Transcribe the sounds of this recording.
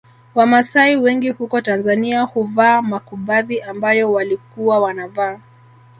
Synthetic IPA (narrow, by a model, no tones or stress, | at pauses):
wamasaiwɛŋɡihukɔtanzaniahuvaːmakuɓaðiʔambajɔwalikuwawanavaː